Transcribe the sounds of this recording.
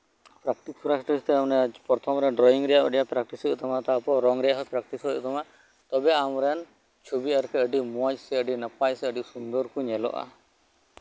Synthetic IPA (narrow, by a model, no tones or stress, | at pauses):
pɾakʈisɾasʈɔist̪ɛamnɛpɔɾt̪ʰɔmɾɛɖɾɔiŋɾɛjaə̰ɖijapɾak̚ʈisɦut̪ɔmat̪apɔɾɔŋɾɛɦɔpɾakʈisɦoṵt̪ʰɔma | t̪ɔbeamɾɛn | t͡ʃʰubiaɾkɛəɖimuad͡ʒsɛəɖinapajsɛəɖisund̪ɔɾkuɲɛlɔ̰ʔa̰